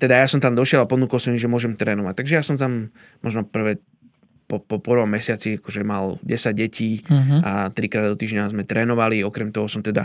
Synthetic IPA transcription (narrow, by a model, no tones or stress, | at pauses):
t̪ɛd̪ajasɔmt̪amd̪ɔʃɪɛd̪apɔnuːkɔlsɔmimʒɛmʊɔʒɛmt̪ɾɛːnɔʋac̚t̪aɡʒɛjasɔmt̪am | mɔʒnɔpr̩ʋɛ | pɔpɔpɾʋɔmmɛsɪat͡siakɔʒɛmalɟɛsaɟ̚ɟɛciːat̪ɾikɾaːd̪d̪ɔt̪iːʒɲazmɛt̪ɾɛːnɔʋaliɔkɾɛmt̪ɔɦɔsɔmt̪ɛd̪a̰